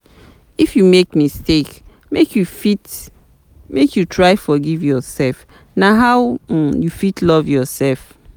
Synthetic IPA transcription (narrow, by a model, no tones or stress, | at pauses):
ifjumekmistek | mekjufit | mekjutʰɹaɪfɔɡivjɔsɛlf | naɦaw̩jufitʰlɔvjɔsɛlf